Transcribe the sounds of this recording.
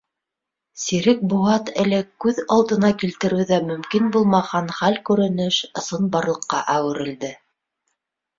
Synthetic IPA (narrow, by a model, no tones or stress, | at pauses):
siɾɘk̚buɑt̪ɘlɘkʉðɑlˠd̪ɤ̆nɑkilt̪ɘ̆ɾɘwðæmɵ̆mkinbulˠmɑhɑnχælkʉɾɘ̆nɘʃŏsɤnbɑɾlˠɤ̆qːɑʔæwɘ̆ɾɘ̆ld̪ɘ